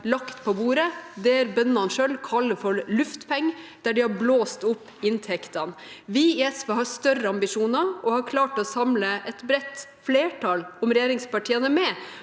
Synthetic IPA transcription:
lɑkt̪pʰɔbuːɾəd̪ɛæɾbœnɑnʂølkʰɑlːəfɔɾlʉft̪pʰɛŋːəd̪̥æɖɪhɑɾbloːst̪ʊpːɪnt̪ʰɛkt̪ɑnʋɪɛsʋɑhɑst̪œɾəɑmbɪʂuːnɑɔhɑkʰlɑːʈɔsɑmləʔɛt̪bɾɛt̪ːfleːʈʰɑlɔmɾɛjeːɾɪŋspɑʈʰiːənəmɛ

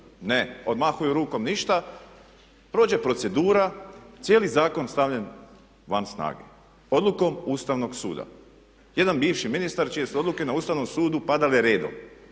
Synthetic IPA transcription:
neo̞d̪maxujuɾuːko̞mniʃt̪a | pɾo̞ːd͡ʒe̞pɾo̞t̪se̞d̪uːɾat̪sjeːlizaːko̞nst̪aʋʎe̞n | ʋansna̰ːɡe̞̰ | o̞d̪luko̞muːst̪aʋno̞ɡsṵːd̪a̰ | je̞d̪anbiːʋʃiminist̪aɾt͡ʃije̞suo̞d̪luke̞nauːst̪aʋno̞msuːd̪upad̪aljeɾe̞ːd̪o̰m

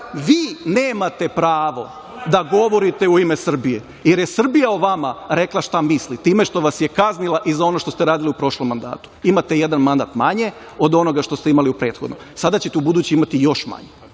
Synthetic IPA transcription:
ʋiːne̞ːmat̪e̞pɾaːʋo̞ | d̪aɡo̞ʋo̞ɾit̪euimesr̩bije | jeɾjesr̩bijaoʋamaɾe̞klˠaʃt̪amislit̪iːme̞ʃt̪o̞ʋasjekaznilˠaʔizao̞no̞ʃt̪o̞st̪eɾaːd̪iliupɾo̞ʃlˠomːand̪a̰ːt̪u̥imat̪ejed̪anmand̪at̪ma̰ɲe̞ | o̞d̪o̞no̞ɡaʃt̪o̞st̪eimaliupɾe̞ːt̪xo̞d̪no̰msad̪at͡ɕet̪eubud̪uːt͡ɕeimat̪ijo̞ʃma̰ɲe

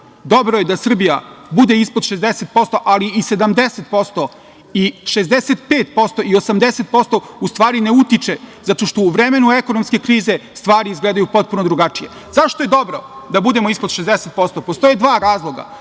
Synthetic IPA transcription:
d̪o̞bɾoje̞d̪asr̩bijabud̪e̞ispod̪ʃezd̪eset̪̚po̞st̪o̞ʔaliːse̞d̪amd̪e̞set̪po̞st̪o̞ | iʃezd̪eset̪peːt̪po̞st̪o̞io̞samd̪eset̪̚po̞st̪o̞ust̪ʋaːɾine̞ut̪it͡ʃezat̪o̞ʃt̪o̞uʋɾeme̞nue̞ko̞nomske̞kɾiːze̞st̪ʋaːɾiizɡled̪ajupo̞t̪̚punod̪ɾuɡat͡ʃije̞ | zaʃt̪oje̞d̪o̞bɾo̞d̪abud̪e̞moispod̪ʃezd̪eset̪̚po̞st̪opo̞st̪o̞jed̪ʋaːɾaːzlˠo̞ɡa̰

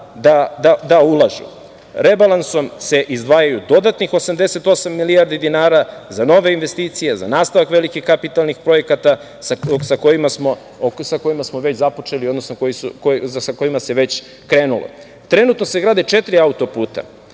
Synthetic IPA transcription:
d̪ad̪ad̪aulˠaʒṵ | ɾebalanso̞mse̞ʔizd̪ʋaːjajud̪o̞d̪at̪nixosamd̪e̞se̞t̪o̞samːiliaɾd̪id̪inaːɾazano̞ʋeinʋe̞st̪iːt̪sijeza̰naːst̪aʋakʋe̞likixkapit̪alˠnixpɾo̞je̞kat̪a | sako̞jimasmo̞ | sako̞jimasmoʋe̞t͡ɕzapo̞t͡ʃeliod̪nosnokojisukossako̞jimaseʋe̞t͡ɕ | kɾeːnulo̰ | t̪ɾe̞nut̪noseɡɾaːd̪et͡ʃe̞t̪ɾiaut̪o̞puːt̪a̰

